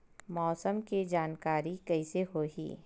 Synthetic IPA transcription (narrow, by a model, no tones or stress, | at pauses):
mɔːsəmkid͡ʒaːnkaːɾikɐiseɦoːɦḭː